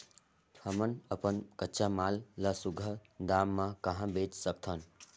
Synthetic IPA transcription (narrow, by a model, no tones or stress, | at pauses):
t̪ʰəmənəpənkətːʃamaːlːəsuɡʱəd̪amːãkəɦãbet͡ʃsəkt̪ʰən